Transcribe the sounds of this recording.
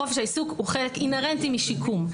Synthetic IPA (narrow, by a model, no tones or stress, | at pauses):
ofʃeisukuχelekimeʁent̪imiʃikʰum